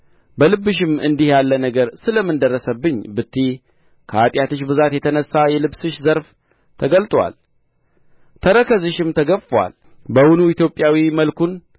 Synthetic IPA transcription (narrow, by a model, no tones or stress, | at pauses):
bəlɨbːɨʃɪmɨnd̪ihjalːənəɡəɾsɨləmːɨnd̪ərːəsəbːɨɲːbɨt̪ʰːi | kʰəat̪ʼjat̪ɨʃbɨzat̪jɛt̪ʰənəsːajɛlɨbsɨʃzəɾf | t̪ʰəɡəlt̪ʼwa̰l | t̪ʰəɾəkʰəzɨʃɪmt̪ʰəɡəfwa̰l | bəwunuit̪jo̞pʼjawiməlkun